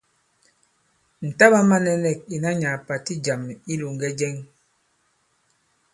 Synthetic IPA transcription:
n̩˨ta˦ba˦ma˦nɛ˦nɛ˨k̚i˨na˦ɲa˨pa˨ti˦d͡ʒa˨mi˦lu˨ŋ˨ɡɛ˦d͡ʒɛ˦ŋ

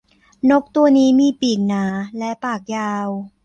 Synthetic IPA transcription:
no˦˥k̚t̪u˧ɐniː˦˥miː˧˩piː˨˩k̚naː˩˦lɛ˦˥paː˨˩k̚jaː˧w

